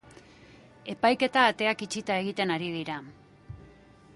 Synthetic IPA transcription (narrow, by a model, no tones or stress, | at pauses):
e̞pajke̞t̪aːt̪e̞akit͡ʃit̪ae̞ɣit̪e̞naɾið̞iɾa